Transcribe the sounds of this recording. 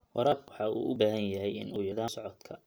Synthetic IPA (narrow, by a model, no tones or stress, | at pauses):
wɑɾaːbwɑħɑṵːʔʊbaːɦɐnjɐɦɛjɪ̰nuːjɐðaːsɔʕɔd̪kʰɐ